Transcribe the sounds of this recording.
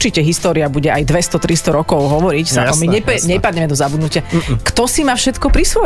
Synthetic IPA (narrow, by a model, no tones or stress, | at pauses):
t͡ʃicɛɦist̪ɔːɾiabuɟɛʔajd̪ʋɛst̪ɔt̪ɾist̪ɔɾɔkɔʊɦɔʋɔɾicsaɔmiɲɛɛɲɛpad̪ɲɛmɛd̪ɔzabud̪nucɪakt̪ɔsimaːfʃɛt̪kɔpɾisʋɔ